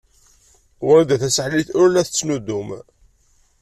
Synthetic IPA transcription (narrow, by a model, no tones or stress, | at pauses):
wɾæd̪æθæsəħliθʊɾlæθət͡sːnud̪um